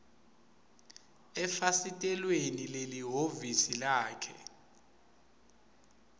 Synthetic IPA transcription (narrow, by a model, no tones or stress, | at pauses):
ɛfasitʼɛlwenileliɦovisilaːkʰɛ̰